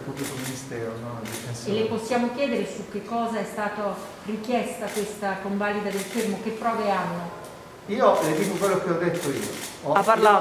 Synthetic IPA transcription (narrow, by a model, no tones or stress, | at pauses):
lpːuplik̪ominist̪ɛːɾosɔnad̪ifenselːeposːjaːmok̟jɛːd̪eɾesuk̟ːekːɔːzaɛst̪aːt̪o | rik̟jɛst̪akwest̪akoɱvalid̪ad̪elfermok̟epːɾɔːveanːo | iːoled̪iːkokwelːokeɔd̪ːet̪ːoḭːo̰ɔapːaɾlaː